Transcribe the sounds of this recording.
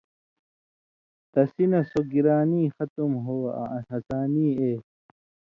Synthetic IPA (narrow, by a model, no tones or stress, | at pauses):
t̪ɐsinɐsoɡiɾaːniːxɐt̪umɦoːa̰ɐsaːniːeː